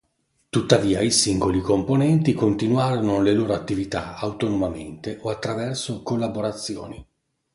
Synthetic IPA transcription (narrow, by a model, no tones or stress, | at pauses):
t̪ut̪ːaviːaisiŋɡolikomponɛnt̪ikont̪inwaːɾonoleloːɾoat̪ːivit̪a̰awt̪onomament̪eʔoat̪ːɾavɛrsokolːaboɾat̪sːjo̰ːni